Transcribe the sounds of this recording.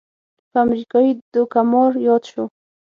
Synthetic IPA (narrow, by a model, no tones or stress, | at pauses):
pamɾɪkɔid̪ʊkamoɾjɔt̪ʃʊ